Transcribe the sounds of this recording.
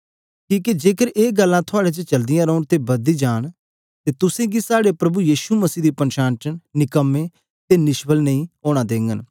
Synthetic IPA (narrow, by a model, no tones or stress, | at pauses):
kiːkid͡ʒeːkəɾeːɡəlːãːt̪ʰʊaːɽeːt͡ʃət͡ʃɐld̪ɪjãːɾəːʊɳ̃t̪ebɐd̪iːd͡ʒaːɽ | t̪eːt̪ʊsẽːɡisaːɽepɾɐbujiːʃuməsiːd̪iːpənʃaːntənnɪkəmːeː | t̪eːnɪʃbəlnəĩːoːɽ̃aːd̪eːŋɡən